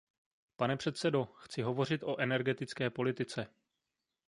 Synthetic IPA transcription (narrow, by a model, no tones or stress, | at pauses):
panɛpr̝̥ɛt̪sɛdo̞xt͡sɪɦo̞vo̞r̝ɪt̪ʔo̞ʔɛnɛɾɡɛt̪ɪt͡skɛːpo̞lɪt̪ɪt͡sɛ